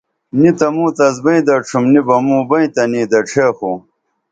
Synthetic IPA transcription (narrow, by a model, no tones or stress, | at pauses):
nit̪ɐmũːt̪ɐzbɐĩd̪ɐʈ͡ʂʰumnibɐmũːbɐĩt̪ɐniːd̪ɐʈ͡ʂʰeːxu